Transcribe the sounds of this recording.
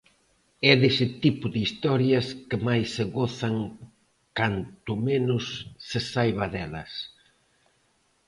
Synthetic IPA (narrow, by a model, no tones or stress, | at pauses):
ɛðesɪt̪ipʊðɪist̪ɔɾjɐskɪmajsːeɣɔθɐŋ | kant̪ʊmenʊsːɪsajβɐðɛlɐ̰s